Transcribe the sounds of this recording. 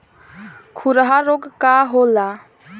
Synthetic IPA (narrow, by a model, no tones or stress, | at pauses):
kʰuɾɦaɾoɡkaɦola